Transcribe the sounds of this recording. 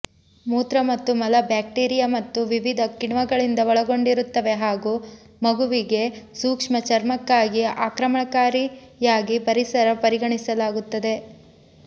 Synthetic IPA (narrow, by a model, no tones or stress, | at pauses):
muːt̪ɾɐmɐt̪ːumɐlɐbjaːk̚ʈiːɾijamɐt̪ːuʋiʋid̪ʱɐkiɳʋɐɡɐɭind̪ɐʋɔɭɐɡo̞ɳɖiɾut̪ːɐʋe̞ɦaːɡuː | mɐɡuʋiɡe̞suːkʂmɐt͡ʃɐɾmɐkːaːɡiaːkɾɐmɐɳɐkaːɾi | jaːɡipɐɾisɐɾɐpɐɾiɡɐɳisɐlaːɡut̪ːɐd̪e̞